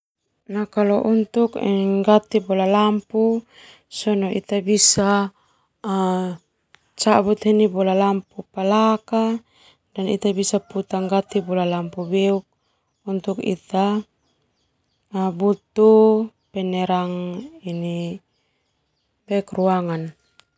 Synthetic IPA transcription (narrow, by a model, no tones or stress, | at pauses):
nakalɔʔunt̪ukɛ̰ŋɡat̪ibɔlalampu | sɔnɔʔḭt̪abisaː | t͡ʃabut̪ɦinibɔlalampupalaka | danḭt̪abisaput̪aŋɡat̪ibɔlalampubɛuk̚ | unt̪ukḭt̪a | but̪u | pɛnɛɾaŋini | bɛukruaŋan